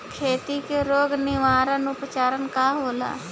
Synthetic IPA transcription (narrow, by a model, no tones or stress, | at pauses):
kʰeːt̪ikeɾoːɡnɪʋaːɾənʊpət͡ʃaːɾənkaɦoːla̰ː